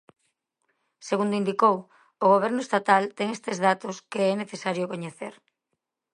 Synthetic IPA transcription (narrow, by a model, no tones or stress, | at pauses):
seɣund̪oind̪ikow | oɣ̞oβ̞ɛɾnʊest̪at̪alt̪ɛŋest̪ezðat̪oskeɛneθesaɾjokoɲeθeɾ